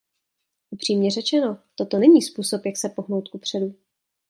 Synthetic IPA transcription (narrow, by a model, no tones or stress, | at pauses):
ʔupr̝̥iːmɲɛrɛt͡ʃɛno̞t̪o̞t̪o̞nɛɲiːspuːso̞pjaksɛpo̞ɦnowt̪̚kupr̝̥ɛdu